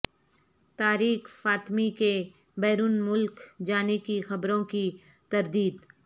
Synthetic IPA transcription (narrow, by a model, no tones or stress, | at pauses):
t̪aːɾiːxfaːt̪mike | bɛːɾuːnmʊlkd͡ʒaːnekixɐbɾõki | t̪ɐɾd̪iːd̪